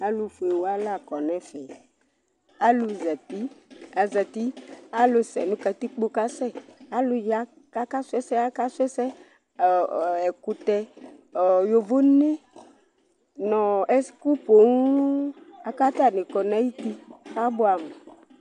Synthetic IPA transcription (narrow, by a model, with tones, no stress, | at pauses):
a˦lu˨fu˨e˨wa˦la˦˨kɔ˨nɛ̃˦fɛ˨ | a˦lʊ˨za˨t̪i˦a˨za˨t̪i˦a˦lʊ˨sɛ̰˨nũ˦ka˨t̪i˦k͡po˦ka˦sɛ˦˨a˦lʊ˦ja˦ | a˦ka˦sʊ˦ɛ˦sɛ˦a˦ka˦sʊ˦ɛ˦sɛ˦˨ | ɛ˨ku˨t̪ɛ˦˨ | jo˨vo˦ne˦ | nɔ̃˨ɛ˦sku˦po˨ŋ˦a˨ka˦t̪a˦˨nɪ̃˨kɔ˨na˦ji˦t̪i˦xa˦bʊ˦a˨mɛ˨